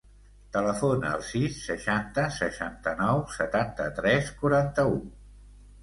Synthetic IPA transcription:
t̪ələfonə̰əlˠsisːəʃant̪əsəʃa̰nt̪ənɔwsət̪ant̪ət̪ɾɛskuɾant̪əu

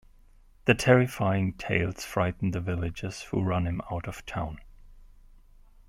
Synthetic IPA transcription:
ðɨtʰɛɹɨfaɪɪ̃ŋtʰeɪlˠz̥fɹaɪʔn̩ðɨvɪlˠɪd͡ʒɪz̥hṵɹʌ̃nɨ̃maʊɾʌv̥tʰãʊ̃n

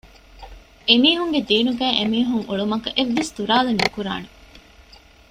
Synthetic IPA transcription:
emiːɦuŋɡed̪iːnuɡæːʔemiːɦuŋuɭumɐkɐʔeʋːest̪uɾaːlenːukuɾa̰ːne

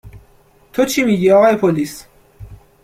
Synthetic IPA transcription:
t̪ʰot͡ʃʰiːmiːɟiːɒɣɒːjepʰoliːs

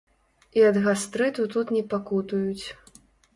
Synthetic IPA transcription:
iɐd̪ɣast̪ɾɨt̪ut̪ut̪nʲɛpakut̪ujut͡sʲ

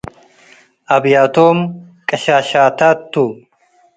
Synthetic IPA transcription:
ʔɐbjaːt̪oːm | kʼɐʃaːʃaːt̪aːt̪ːu

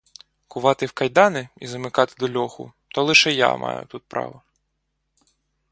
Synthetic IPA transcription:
kʊʋɑt̪ɪwkɐjd̪ɑnɪizɐmɪkɑt̪ɪ̥d̪ɔlʲɔxʊ̰t̪ɔlˠɪʃɛja̰mʔɑ̰jʊ̰t̪ut̪̚pɾɑ̰ʋɔ

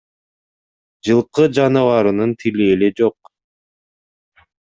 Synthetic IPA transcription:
d͡ʒɯlˠqɯd͡ʒɑnɯvɑɾɯnɯnt̪ʰiliːled͡ʒo̞q

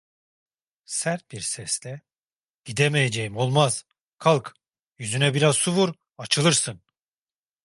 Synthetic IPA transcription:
sæɾt̪̚biɾsɛslʲɛ | ɟ̥id̪emejed͡ʒejimo̞lˠmaz̥ | kʰalˠk | jyzynɛbiɾazsuvuɾ | at͡ʃʰɯlˠɯɾsɯn

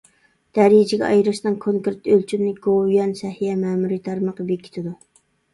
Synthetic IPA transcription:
d̪̥ɛɾijd͡ʒɪɡʲɛ̰ɑ̰jɾɨʃnɨŋkʰoŋkɾt̪ølt͡ʃʰymnɪɡ̥ojɛnsɛhijɛmɛmuɾit̪ʰɑɾməqɑbekʲʰːi̥t̪ʰɪd̪u

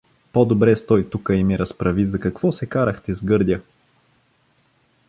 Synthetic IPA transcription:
pod̪obɾɛst̪ɔjt̪ukəimiɾɐspɾɐvizɐkɐkv̥ɔsɛkaɾəxt̪ɛzɡɤɾd̪ʲə

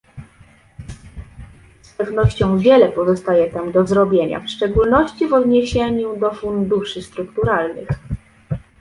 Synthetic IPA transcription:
spɛvnɔɕt͡ɕɔ̃w̃vʲjɛlɛpɔzɔst̪ajɛt̪amd̪ɔzɾɔbʲjeɲa̰fʂt͡ʂɛɡulnɔɕt͡ɕivɔd̪ɲeɕeɲud̪ɔfund̪uʂɘst̪ɾukt̪uɾalnɘ̰x

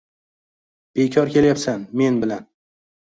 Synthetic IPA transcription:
b̥e̞kʲʰɒɾkʲe̞ljapsanme̞nbɪlan

